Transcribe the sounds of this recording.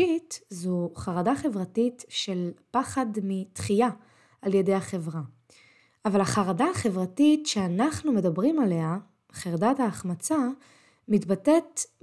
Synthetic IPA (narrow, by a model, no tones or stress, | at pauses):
itzuχaʁadaχe̞vʁatitʃe̞lpaχadmitχija | alje̞de̞jaχe̞vʁa | avalaχaʁadaːχe̞vʁatitʃeanaχnume̞dabʁimale̞a | χeʁdataːχmat͡sa | mitbate̞t